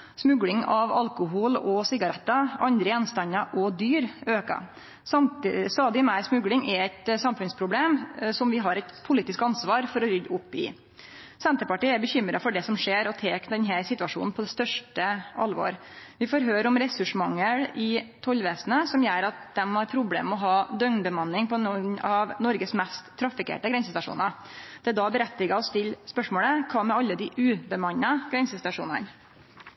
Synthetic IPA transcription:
smʉɡlɪŋɑʋɑlkʊɦuːlɔsɪɡɑɾɛt̪ːɑɑnd̪ɾəjɛnst̪ɑnːɑʔɔd̪yːɾøːkɑ̰ | st̪ɑːd̪ɪmæɪɾsmʉɡlɪŋʔɛɛt̪sɑmfʉnspʰɾʊbleːmsɔmʋɪɦɑɾɛt̪pʰʊliːt̪ɪskɑnsʋɑːɾfɔɾɔɾʏd̪ʊpːɪ̰ | sɛnt̪əɾpɑʈiːɛɾbəçʏmɾɑfɔɖɛsɔmʂeːɾɔt̪ʰeːkd̪ɛnɦæɾsɪt̪ʉɑʂṵːnn̩pʰɔd̪ɛst̪œʂʈəɑlʋo̰ːɾʋɪfoːɾɦøːɾəɔmɾɛsʉʂmɑŋːəɽɪt̪ʰɔlːʋeːsnəsɔmjæːɾɑt̪̚d̪ɛmhɑɾpʰɾʊblḛːmɔɦɑːd̪œŋnbəmɑnːɪŋpʰɔnɔnɑʋnɔɾɡəsmɛst̪ʰːɾɑfɪkḛːʈəɡɾɛnsəst̪ɑʂṵːnɑ | d̪̥ɛæd̪ɑbəɾɛt̪ːɪɡɑɔst̪ʰɪlːspœʂmoːɭəkʰɑːmɛɑlːəd̪ɪʔʉːbəmɑnːɑɡ̥ɾɛnsəst̪ɑʂuːnɑ̰n

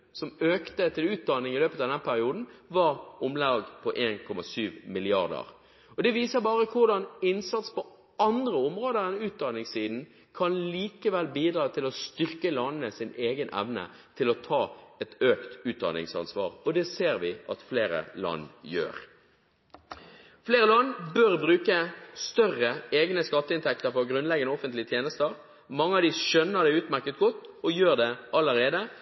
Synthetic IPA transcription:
sɔmøːkt̪ət̪ʰɪlʉːt̪̚d̪ɑnɪŋɪløːpət̪ɑʋd̪ɛnpʰæɾɪuːd̪n̩ʋɑʁɔmlɑːɡpʰɔʔeːnkʰɔmɑsyːʋmɪlɪɑʁd̪ə̰ʁ | ɔd̪ɛʋiːsəʁbɑːʁəkʰʊʁd̪ɑnɪnsɑt̪spɔ | ɑnd̪ʁəɔmʁoːd̪əɾɛnʉːt̪̚d̪ɑnɪŋsiːd̪n̩ | kʰɑnliːkəʋɛlbiːd̪ɾɑːt̪ʰɪlɔst̪ʏʁkəlɑnnəsɪneːɡənʔɛ̰ʋnə̰ | t̪ʰɪlɔt̪ʰɑːɛt̪øːkt̪ʉːt̪̚d̪ɑ̰nɪ̰ŋsɑ̰nsʋɑ̰ːʁɔd̪ɛseːʁʋɪɑt̪fleːɾə̰lɑ̰nːjø̰ːʁ | fleːɾəlɑnːbøʁbʁʉːkəst̪œʁəeːɡnəskɑt̪ːəɪnt̪ɛk̚t̪əɾfɔʁɡɾʉnlɛɡənəɔfənt̪lɪət̪ʰjeːnəst̪əʁ | mɑŋːəɑd̪ɪʃœnːəʁd̪ɛʉːt̪mæʁkət̪̚ɡɔt̪ːɔjøːʁd̪ɛʔɑlːəɾeːd̪ə

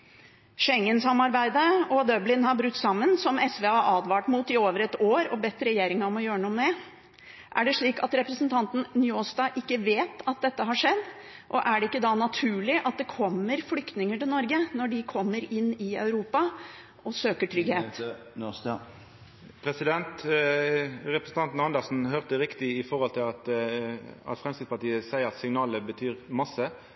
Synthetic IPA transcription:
ʂɛŋːənsɑmːɑɾbæɪd̪əɔd̪œblɪnhɑɾbɾʉt̪ːsɑmːənsɔmɛsʋeːɑʔɑːd̪ʋɑːʈmut̪ɪoːʋəɾɛt̪oːɾɔbɛt̪ːɾɛjeːɾɪŋɑɔmɔjøːɾənuːəmɛ | ʔæɖɛʂɭiːkɑt̪ɾɛpɾəsn̩t̪ʰɑnt̪n̩njoːst̪ɑːʔɪkːəʋeːt̪ɑt̪̚d̪ɛt̪ːəɦɑʂɛd̪ː | ʔɔʔæɖɛɪkːəd̪ɑːnɑt̪ʰʉːɭɪʔɑt̪̚d̪ɛkʰɔmːəɾflʏkt̪nɪŋəʈɪlnɔɾɡənɔɖɪkʰɔmːəɾɪnːɪœ̰ʉɾuːpɑ | ʔɔsøːkəʈʰɾʏɡheːt̪ | pʰɾɛsɪd̪ɛnt̪ | ʁɛpɾəsn̩t̪ɑnt̪n̩ɑnd̪əʁsn̩ɦøːʁt̪əʁɪkt̪ɪɪfɔʁhɔlt̪ʰɪlɑt̪ | ɑ̰t̪fʁɛmskɾɪt̪spɑʈ̪iːəsæɪəɾɑt̪sɪŋnɑːləbət̪ʰyːʁmɑsːə

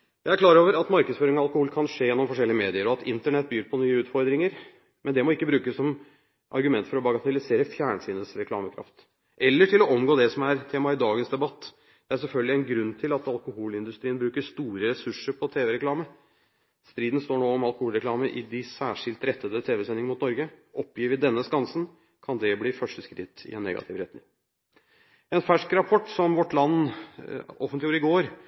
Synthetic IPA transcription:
jæɪæɾkʰlɑːɾoːʋəɾɑt̪mɑɾkəd̪sføːɾɪŋɔɑlkʊhuːlkʰɑnʂeːjɛnːɔmfɔʂɛlːɪəmeːd̪ɪəɾɔɑt̪ɪnt̪əɳɛt̪̚ːbyːɾpʰɔnyːəʉːt̪fɔɾd̪ɾɪŋəɾ | mʔɛnd̪ɛmɔɪkːəbɾʉːkəsːɔm | ʔɑ̰ɾɡʉmɛnt̪fɔɾɔbɑɡɑt̪ɪlɪseːɾəfjæːɳəsiːnəsɾɛkʰlɑ̰ːməkʰɾɑ̰ft̪ | ʔɛlːəʈʰɪlɔʔɔmɡoːd̪ɛsɔmæɾt̪ʰeːmɑɪd̪ɑːɡənsd̪ɛbɑt̪ː | d̪̥ɛæɾsɛlfœlɡəlɪɛɪnɡɾʉnːt̪ʰɪlɑt̪ɑlkʊhuːlɪnd̪ʉst̪ɾiːənbɾʉːkəʂt̪uːɾəɾɛsʉʂəɾpʰɔt̪ʰeːʋɛɾɛklɑːmə | st̪ɾiːd̪n̩st̪oːɳoːɔmɑlˠkʊhuːlɾɛkʰlɑːməʔɪd̪ɪsæːʂɪlt̪ɾɛt̪ːəd̪ət̪ʰeːʋɛsɛnɪŋənmʊt̪nɔɾɡəʔɔpːjiːʋɪd̪ɛnːəskɑnsən | kʰɑnd̪ɛbliːfœʂʈəskɾɪt̪ːɪ̰ɛnːɛ̰ɡɑ̰t̪ʰɪʋɾɛt̪nɪ̰ŋ | ɛnfæʂkɾɑpʰɔʈːsɔmʋɔʈːlɑnː | ɔfənt̪lɪjuːɾɪɡoːɾ

